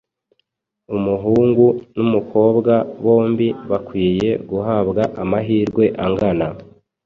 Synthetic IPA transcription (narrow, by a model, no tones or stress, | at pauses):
umuɦuːŋɡunumukʰo̞ːbɡaβo̞ːmbiβakwiːje̞ɡuɦabɡaʔamaɦiːɾɡwe̞ʔaŋɡana